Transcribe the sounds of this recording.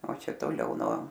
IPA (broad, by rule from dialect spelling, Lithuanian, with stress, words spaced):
oː ˈt͡ʃʲɛ toːˈlʲɛʊ nuɔ